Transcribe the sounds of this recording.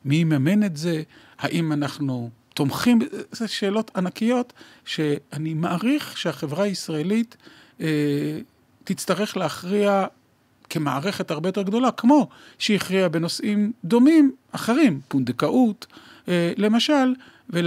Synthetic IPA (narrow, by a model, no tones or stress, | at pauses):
mimamene̞tze̞ | haʔimanaχnut̪o̞mχimzeʃe̞ːlo̞t̪ʰanakijo̞t̪ʃe̞animaʔaʁiχʃeaχe̞vʁaisʁaelit | tːit͡st̪aʁe̞χleaχʁia | ke̞maaʁeχe̞taʁbejot̪e̞ɡdo̞lakmo̞ | ʃejiχʁiabe̞no̞sʔimd̪o̞mimaχeʁimpund̪ekaʔut | le̞maʃal | ve